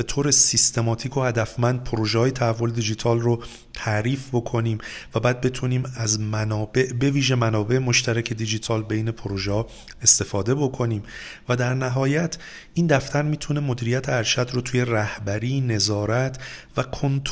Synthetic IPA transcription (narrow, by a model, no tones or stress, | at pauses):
be̞t̪ʰoːɾe̞sist̪ʰe̞mɒːt̪ʰiːkʰo̞hæd̪æfmænd̪̚pʰoɾoːʒeɒːjet̪ʰæhævːo̞led̪id͡ʒit̪ʰɒːlro | t̪ʰæɾiːfbo̞kʰo̞niːmvæbæːd̪̚be̞t̪ʰuniːmæzmænɒːbe̞ʔbe̞viːʒe̞mænɒːbe̞ʔemo̞ʃt̪ʰæɾæcʰe̞d̪id͡ʒit̪ʰɒːlbe̞jne̞pʰoɾoʒeɒ | e̞st̪e̞fɒːd̪e̞bo̞kʰo̞niːm | væd̪æɾnæɦɒːjæt̪ʰ | ʔiːnd̪æft̪ʰæɾmiːt̪ʰune̞mod̪iːɾijæt̪ʰeæɾʃæd̪rot̪ʰuːje̞ræhbæɾiːne̞zɒːɾæt̪ʰvækʰont̪ʰ